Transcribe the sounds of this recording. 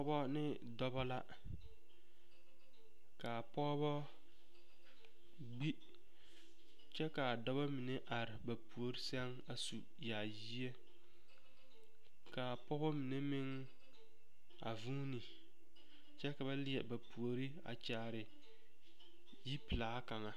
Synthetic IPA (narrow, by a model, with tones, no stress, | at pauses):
pɔ˦bɔ˦nɪ˦ | dɔ˦bɔ˦la˦ | ka˨pɔ˦bɔ˦ | ɡ͡bi˦ | t͡ʃɛ˦ka˨dɔ˦bɔ˦mi˨ne˦ʔa˨ɾɪ˨ba˨pu˨o˨ɾi˦sɛ˦ŋ | a˨su˨ | jaː˨ji˦e˦ | ka˨pɔ˦bɔ˦mi˨ne˦mɪ˦ŋ | a̰˨vuː˦ni˨ | t͡ʃɛ˦ka˨ba˦lɪ˦ɛ˨ba˨pu˨o˨ɾi˦a̰˨t͡ʃaː˨ɾɪ˨ | ji˦pi˨laː˨˦ka˨ŋa˨